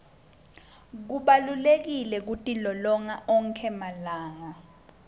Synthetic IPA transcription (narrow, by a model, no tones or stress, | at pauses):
k̬uɓalulek̬ilɛk̬utʼilɔlɔŋaʔɔŋkʰɛmalaːŋa